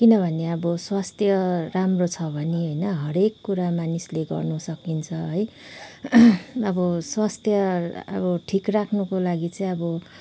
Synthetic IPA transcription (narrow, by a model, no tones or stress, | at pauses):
kinʌbʱʌneʌbʌswast̪ʰjʌramrot͡sʰʌbʱʌneɦojnʌɦʌɾekːuɾamanisleɡʌ̰rnusʌkint͡sʰʌɦʌj | ʌbʌswast̪ʰjʌʌ̰bʌʈʰikrakʰnukolaɡit͡sʌĩʌbʌ